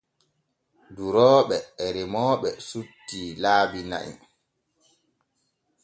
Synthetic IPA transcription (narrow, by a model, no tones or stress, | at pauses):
duɾɔːɓɛːɾɛmɔːɓɛsutːiːlaːbina̰ʔḭ